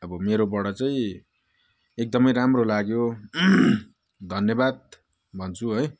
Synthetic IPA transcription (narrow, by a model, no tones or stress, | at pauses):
ʌbʌmeɾobʌɽʌt͡saĩ | ek̚d̪ʌmʌjɾamrolaɡjo | d̪ʱʌnjʌbad̪̚ | bʱʌnt͡sʰuɦʌj